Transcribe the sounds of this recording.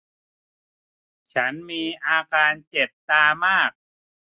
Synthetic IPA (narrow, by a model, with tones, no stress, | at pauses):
t͡ɕʰa˦˥nmiː˧ʔaː˧kaː˧nt͡ɕe˨˩p̚t̪aː˧maː˥˩k̚